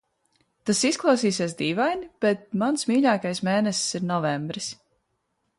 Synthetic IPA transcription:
t̪asisklˠɑwsiːsʲeɛsd̪iːvajnib̥ɛt̪̚mansmiːʎʲaːkajsmeːnɛssiɾnɔvɛmbɾis

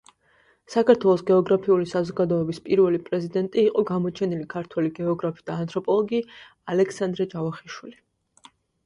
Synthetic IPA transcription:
sakaɾt̪ʰwɛlˠɔsɡɛɔɡɾapʰiulisazɔɡad̪ɔɛbispʼiɾvɛlipʼɾɛzid̪ɛnt̪ʼiːqʼɔɡamɔt͡ʃʰɛnilikʰaɾt̪ʰwɛliɡɛɔɡɾapʰid̪aːnt̪ʼɾɔpʼɔlˠɔɡi | alɛksand̪ɾɛd͡ʒavaχiʃwili

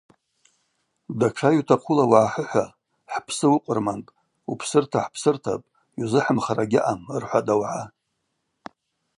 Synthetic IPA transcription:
daʈ͡ʂʰajutʰaqʰulawaʕaħəħʷa | ħpʰsɨwʊqʷʼʊrmantʼ | upʰsɨrtʰaħpʰsɨrtʰa̰pʼ | juzɨħəmχaraɡʲɪʔamɨrħʷadawʕa

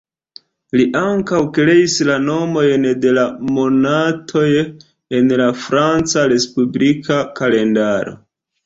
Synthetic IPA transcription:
liʔaŋkawkɾe̞islano̞mo̞jnde̞lamo̞natʰo̞j | e̞nlafɾant͡saɾe̞spublikakale̞ndaɾo̞̰

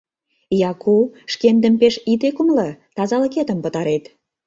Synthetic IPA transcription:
jɑkʰuʃkend̪ə̆mpeʃit̪ekumlɤ̆t̪ɑzɑlə̆ket̪ə̆mpə̆t̪ɑɾet̪

